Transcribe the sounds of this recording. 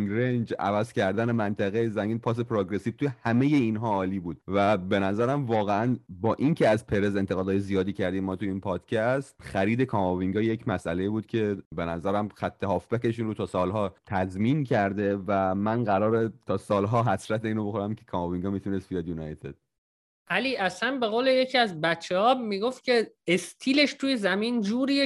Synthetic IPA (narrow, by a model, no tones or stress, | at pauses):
ŋɡɾend͡ʒæ̰væzcæɾd̪æne̞mænt̪ʰæɣejzæŋɡiːnpʰɒːs̬epʰɾoɡɾesiv̥t̪ʰujehæme̞je̞inɦɒːliːbuːd̪̥̚væbe̞næzæɾæmvɒːɣeænbɒːʔincʰe̞æzpʰe̞ɾe̞ze̞nt̪ʰeɣɒːd̪ːjezijɒːd̪iːcʰæɾd̪imːɒːt̪ʰuiːnpʰɒːd̪̥cʰæst̪xæɾiːd̪e̞kʰɒːmoviŋɡɒje̞cmæsʔæle̞iːbuːd̪̥̚cʰe̞be̞næzæɾæmxæt̪ʰːe̞hɒːfbæke̞ʃiːnɾut̪ʰɒːsɒːlɦɒːt̪ʰæzmiːncʰæɾd̪e̞væmænɢæɾɒːɾet̪ʰɒːsɒːlɦɒːɦæsɾæt̪ʰeiːnoboxoɾæmcʰe̥kʰɒmoviŋɡɒːmiːt̪ʰunest̪bijɒd̪junɒjt̪ʰḛd̪̥ | ʔæliʔæsænbe̞ɣoːlejecʰiæzbæt͡ʃʰːehɒːmiɡoft̪̚cʰe̞ːst̪ʰiːle̞ʃt̪ʰuːje̞zæmiːnd͡ʒuːɾi